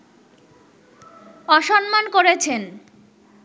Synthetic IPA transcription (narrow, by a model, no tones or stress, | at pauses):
ɔʃɔnmankoɾet͡ɕʰen